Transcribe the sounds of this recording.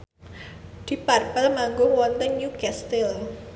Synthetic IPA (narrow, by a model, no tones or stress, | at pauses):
d̪̥iparpəlmaŋɡowɔnt̪ənjukɛst̪il